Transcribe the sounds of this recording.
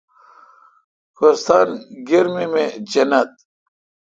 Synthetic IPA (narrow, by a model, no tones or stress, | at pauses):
koɾst̪aːnɡeɾmimẽd͡ʑɐnɐt̪̚